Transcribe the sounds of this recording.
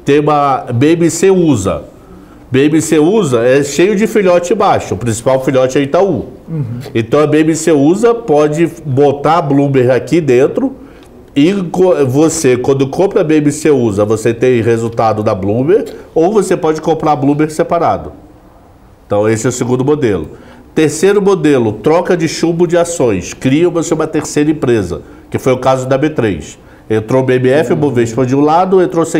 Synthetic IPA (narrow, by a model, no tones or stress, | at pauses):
t̪ẽj̃ũmɐbeemiseuzɐ̰ | beemiseuzɐɛʃejʊd͡ʒɪfiʎɔt͡ʃɪɪ̃baʃʊʊpɾĩsi̥pawfiʎɔt͡ʃɪɛit̪aũ | ẽt̪ɐ̃w̃ɐbeemiseuzɐpɔd͡ʒɪbot̪ablũmeɾakid̪ẽnt̪ɾʊ | ɪkovosekwɐ̃nd̪ʊkõpɾɐbeẽmɪseuzɐvoset̪ẽj̃hezut̪ad̪ʊd̪ɐblũmeɾowvosepɔd͡ʒɪkõmpɾablũmeɾsepaɾad̪ʊ | eẽt̪ɐ̃w̃esɪɛʊsɪɡũnd̪ʊmod̪elʊ̰t̪eɾsejɾʊmod̪elʊt̪ɾɔkɐd͡ʒɪʃubʊd͡ʒɪasõj̃skɾiɐ̃voseũmɐt̪eɾsejɾɐẽpɾezɐ̰ | kɪfojʊkazʊd̪ɐbet̪ɾḛjʃ | ẽnt̪ɾobeẽmiɛfɪmoveiʃpɐ̃d͡ʒiʊ̃lad̪ʊẽnt̪ɾose